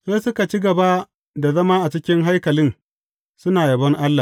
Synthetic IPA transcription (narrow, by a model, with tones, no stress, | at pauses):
zeː˦sʊ˦ka˨t͡ʃi˦ɡɐ˨ba˦ | da˨zɐ˦maː˦ʔa˨t͡ʃɪ˦kʲɪ˦ŋɦa˦jkɐ˨lɪ˦n | sʊ˦naː˨jɐ˨bɐ˦ŋʔa˦lːa˨